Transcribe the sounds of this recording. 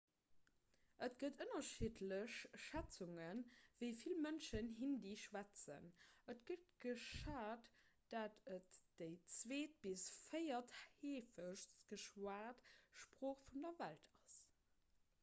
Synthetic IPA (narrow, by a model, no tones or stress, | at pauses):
ʔətɡ̥ətənɐʃitʰləɕʃæt͡suŋənvəɪfilmənʃənɦindiːʃwæt͡sə̰nətɡ̥ət̚ɡ̥əʃaːtd̥atʰətd̥əɪt͡sveːt̚b̥isfəɪɐtheːfəʃsɡ̥əʃwaːtʃpʁoːχfundɐvæltʰɑs